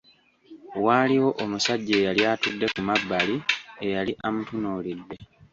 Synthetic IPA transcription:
waːliwo̞ʔomusaɟːeːjaljaːtudːe̞kumabːaliejaliʔamutunoːlidːe̞

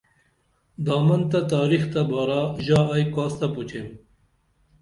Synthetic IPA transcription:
d̪ɑːmɐnt̪ɐt̪aːɾixt̪ɐbɑːɾaʑaːjkaːst̪ɐput͡ɕʰem

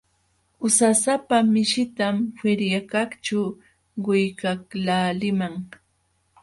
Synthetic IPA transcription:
ʊsasapamɪʃɪt̪amfɪɾjakakt͡ʃa | ɢʊjkaklaːlɪmaŋ

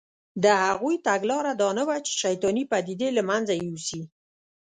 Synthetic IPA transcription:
d̪əhaɣujt̪aɡlɑɾad̪ɑnawat͡ʃe̥ʃajt̪ɑnipad̪id̪elamanzajeusi

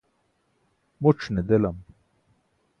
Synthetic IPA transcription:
muʈ͡ʂned̪elɐm

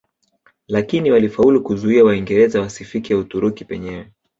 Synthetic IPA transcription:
lakiniwalifaulukuzuiawaiŋɡɛɾɛzawasifikiautuɾukipɛɲɛwɛ

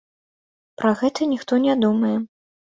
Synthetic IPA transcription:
pɾɐɣɛt̪ɐnʲixt̪ɔnʲɛd̪umɐjɛ

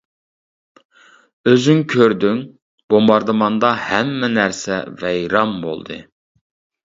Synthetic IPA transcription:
øzyŋkʲʰøɾd̪yŋ | b̥ombɑɾd̪ɨmɑnd̪ɑhɛmːɛnæɾsɛ̰vɛjɾɑmbo̰lˠd̪ɨ̰

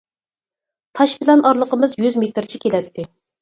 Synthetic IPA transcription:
t̪ʰɑʃbɪlɛnʔɑɾlˠəqəmɨzjyzmet̪ɾt͡ʃʰikʲʰelɛt̪ʰːɪ

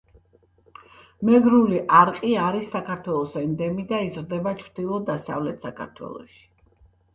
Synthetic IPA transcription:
mɛɡɾuliʔaɾqʼiaɾisːakʰaɾt̪ʰwɛlˠɔsɛnd̪ɛmid̪aizɾd̪ɛbat͡ʃʰɾd̪ilˠɔd̪asa̰vlɛt̪ʰsakʰa̰ɾt̪ʰwɛ̰lˠɔ̰ʃi̥

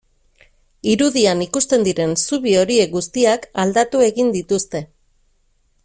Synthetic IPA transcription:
iɾuðianikust̪e̞nd̪iɾe̞nsuβio̞ɾie̞k̚ɡust̪iakald̪at̪ue̞ɣind̪it̪ust̪e̞

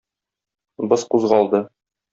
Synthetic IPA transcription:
bɤsquzʁɑlˠd̪ɤ

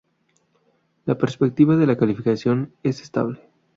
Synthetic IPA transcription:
lapeɾspek̚t̪iβaðe̞lakalifikasjo̞nese̥st̪a̰βle

